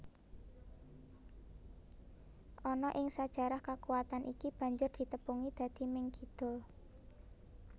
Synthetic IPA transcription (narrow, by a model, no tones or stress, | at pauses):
ʔɔnɔʔɪŋsad̥ʒ̥a̤ɾahkakuwat̪anʔikib̥a̤ɲd͡ʒʊrd̪̥i̤t̪əpuŋid̪̥a̤d̪̥i̤mɪŋkid̪̥ɔ̤